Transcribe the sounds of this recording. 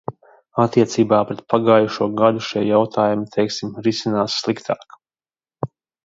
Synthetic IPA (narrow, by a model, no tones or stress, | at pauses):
at̪iɛt̪siːbaːpɾɛt̪̚paɡaːjuʃuɔɡad̪uʃiɛjawt̪ʰaːjumut̪ʰejksimɾisinaːt̪sslˠikt̪ʰaːk